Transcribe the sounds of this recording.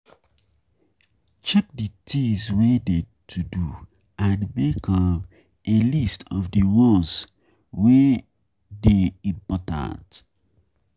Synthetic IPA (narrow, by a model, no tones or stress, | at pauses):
t͡ʃɛk̚ditʰiswede | tʰudu | ãnmekʰɔm | ʔelistɔvdiwɔs | we | deĩpɔtã̰nt